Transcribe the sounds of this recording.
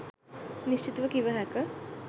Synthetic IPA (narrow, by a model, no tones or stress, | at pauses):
niɕt͡ʃit̪ʋɐkĩʋaɦɛkɐ